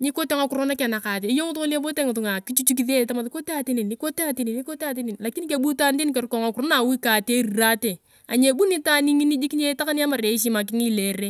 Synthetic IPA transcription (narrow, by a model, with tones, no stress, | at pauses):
ɲi˦ko˦te˦ŋa˨ku˨ɾo˦na˦kɛ˨na˨ka˨te˨˦jo˦ŋɪ˦tu˦o˦li˦e˦bo˦te˦ŋɪ˨tʊ˨ŋa˨ki˦t͡ʃu˦t͡ʃu˦k̬i˦ðe˦˨ta˦ma˨ði˦ko˦te˦a˨te˦ni˨ni˦ko˦te˦a˨ti˦ni˨nɲi˦ko˦te˦a˦˨ti˦ni˨nla˨ki˦ni˦ke˨bu˦ta˦ndi˦nke˨ɾu˦ko˨ŋa˨ku˨ɔ˦na˨wi˦ka˨te˦ri˨ɾa˦te˨ | a˨ɲe˨bu˦ni˦ta˦ni˦ŋi˦ni˦d͡ʒi˦kɲe˦ta˦ka˦ni˦a˦ma˨ɾe˨˦ʃ̬i˦ma˨k̬ɪ˦ŋi˦le˨ɾe˦